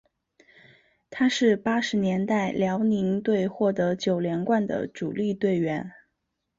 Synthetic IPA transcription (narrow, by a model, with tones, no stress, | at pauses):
t̪ʰa˥ʂɻ̩˥˩pa˥ʂɻ̩˧˥njɛ˧˥nt̪a˥˩ɪljɑ˧˥ʊni˧˥ŋt̪we˥˧ɪxwɔ˥˩t̪ɤ˧˥t͡ɕjo˨˩ʊljɛ˧˥nkwa˥˩nd̪ə̰˩ʈ͡ʂṵ˨˩li˥˧t̪we˥˩ɪɥɛ˧˥n